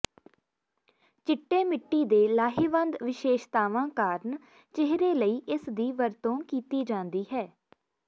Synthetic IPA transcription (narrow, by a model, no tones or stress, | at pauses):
t͡ʃɪʈːeːmɪʈːiːd̪eːlaːɦiːʋə̃nd̪ʋɪʃeːʃt̪aːʋãːkaːɾn | t͡ʃɪɦɾeːləiːʔɪsd̪iːʋəɾt̪õːkiːt̪iːd͡ʒãːnd̪iːɦɛː